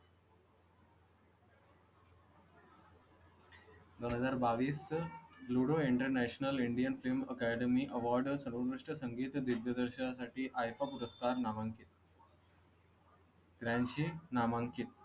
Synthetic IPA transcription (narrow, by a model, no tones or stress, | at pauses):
d̪onɦəzaːɾbaːʋiːsluːɽoiɳʈəɾnɛːʃnəliɳɖijənfʰilməkæːɖemiʔɐʋaːɾɖsɐɾʋuʋɾuʂʈəsəŋɡiːt̪d̪id̪jəd̪əɾʃasaːʈʰiʔaːjfapuɾəskaːɾnaːmaŋkit̪̚ | t̪ɾãnʃinaːmaːŋkit̪̚